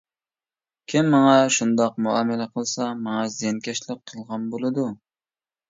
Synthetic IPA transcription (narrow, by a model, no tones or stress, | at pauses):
kʲʰimːɑŋɑʃund̪ɑq̚muɑːmɪlɛqʰəlˠsɑmɑŋɑzjɛnkʲʰɛʃlɪk̚qʰəlˠʁɑnbolˠɨd̪u